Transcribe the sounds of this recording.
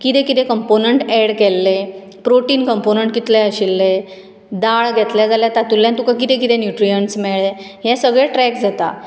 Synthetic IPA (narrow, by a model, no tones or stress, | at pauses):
kit̪ɛ̃kit̪ɛ̃kəmponəɳʈɛɽkɛlːe | pɾoʈiːnkəmponəɳʈkit̪leəɕilːe | d̪aɭɡʱɛt̪ljad͡zaljat̪at̪ulːjãnt̪ũkãkit̪ɛ̃kit̪ẽnjuʈɾijəɳsmɛɭeɦɛ̃səɡɭeʈɾɛkd͡zʱat̪a̰